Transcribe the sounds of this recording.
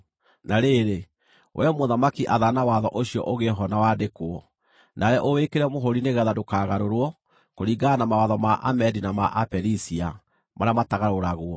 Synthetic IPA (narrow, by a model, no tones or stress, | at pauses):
naɾeɾe | wʔɛmoðamakiʔaðanawaðɔʔoɕiɔ̰ʔoɣeɦɔnawadekwɔ | nʔaɾɛʔowekeɾɛmoɦoɾineɣɛðadokaɣaɾoɾwɔ | koɾiɡanamawaðɔmaʔa̰mɛdinamaʔapɛɾisia | maɾeamataɣaɾoɾaɣwɔ